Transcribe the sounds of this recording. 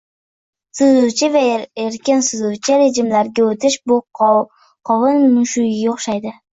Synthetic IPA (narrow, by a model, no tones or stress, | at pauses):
sʊzʊt͡ʃʰɪvaeɾkʲɪnsʊzʊwt͡ʃʰɪɾe̞d͡ʒɪmlaɾɡʲaot̪ʰɪʃbʊ | qʰɒwɨnmʊʃʊjaoχʃajd̪ɪ